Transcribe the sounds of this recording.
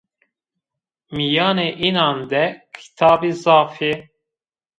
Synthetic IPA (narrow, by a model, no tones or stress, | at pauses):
mijɑːneʔinɑːnd̪ɛkʰi̥t̪ʰɑːbizɑːfie